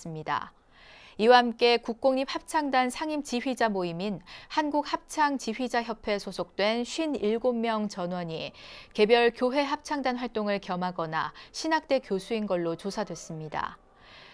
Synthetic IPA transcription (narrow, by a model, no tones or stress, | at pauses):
ɯmɲida̰ | iwahamk͈e̞kuk̚k͈oŋɲip̚hap̚t͡ɕʰaŋdansʰaŋimt͡ɕiɸɥid͡ʑamoiminhanɡuk̚hap̚t͡ɕʰaŋt͡ɕiɸɥid͡ʑaçjʌpʰe̞sʰosʰok̚t͈we̞nɕʰɥiniɭɡomːjʌŋt͡ɕʌnwʌɲike̞bjʌɭkjoɦe̞ɦap̚t͡ɕʰaŋdanɸwaɭt͈oŋɯɭkjʌmɦaɡʌnaɕʰinak̚t͈e̞kjosʰuinɡʌɭːot͡ɕosʰadwe̞s͈ɯmɲida̰